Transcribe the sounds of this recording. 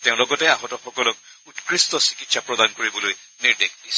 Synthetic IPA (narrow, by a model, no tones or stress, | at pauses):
teʊ̃lɔɡɔtɛaɦɔtɔxɔkɔlɔk̚utkɹistɔsi̥kitsapɹɔdankoɹibɔloj | niɹdekʰdisɔ